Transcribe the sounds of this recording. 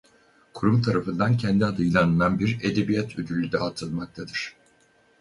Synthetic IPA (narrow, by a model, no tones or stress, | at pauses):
kʰuɾumt̪ʰaɾafɯnd̪ancʰɛnd̪iad̪ɯjlˠanɯnanbiɾe̞d̪e̞bijat̪ʰød̪ylʲyd̪ɛɦat̪ʰɯlˠmak̚t̪ʰad̪ɯɾ̝̥